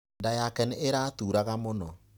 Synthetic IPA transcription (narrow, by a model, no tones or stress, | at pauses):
ndajakɛneʔeɾatuːɾaɣamonɔ